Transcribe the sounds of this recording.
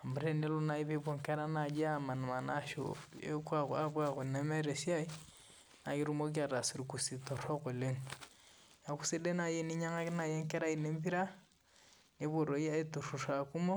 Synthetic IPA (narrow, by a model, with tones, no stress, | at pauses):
a˨mbɾɛ˦ne˦lu˦na˦i˦βe˦bo˨ŋ˨kɛ˦ɾa˦na˨d͡ʒɛ˦a˨ma˨nu˨ma˨na˦ʃo̰˨ḛ˦kwa˦ka˦bwa˦ko˨nɛ˦mɛ˦ɾɛ˨sja˦i˦ | na˨ki˦ɾu˦mo˦k̬i˦a˨ɾa˨su˨ɾi˨ku˨si˨tɔ˨ɾɔ˦ko˨le˦ŋ | ja˨ku̥˦si˦dɛ˦na˨jɛ˦ni˦ɲa˦ŋa˦na˨jɛ˦ŋkɛ˦ɾa˦i˨ne˦mbi˦ɾa˦ | ne˦βo˨ɾɔ˨ja˦e˦tu˨ru˨ra˨ku˦mɔ˦